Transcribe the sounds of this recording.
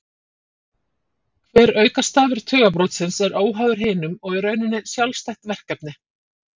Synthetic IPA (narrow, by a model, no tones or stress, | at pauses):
kʰvɛːɾœːɥkast̪aːvɪɾ̥t̪ʰœːɣap̬ɾowt̪sɪnsɛɾoːwɦaːwðʏɾ̥ɦɪːnʏmɔɣɛɾœɥnɪnːɪsjawlst̪ɛjht̪vɛr̥kɛp̚nɪ